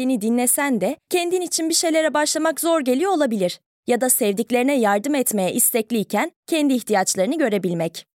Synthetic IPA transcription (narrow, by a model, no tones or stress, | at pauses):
inid̪inlːʲesænd̪ɛcʰɛnd̪init͡ʃʰinbiʃe̞jlʲe̞ɾɛbaʃlˠamakzo̞ɾɟe̞lʲijo̞olˠabilʲiɾ̥ | jad̪asɛvd̪iclʲe̞ɾinɛjaɾd̪ɯmɛt̪me̞jɛʔist̪ʰɛclʲijcʰæncʰɛnd̪iːçt̪ʰijat͡ʃlˠaɾɯnɯɟø̞ɾe̞bilʲmɛc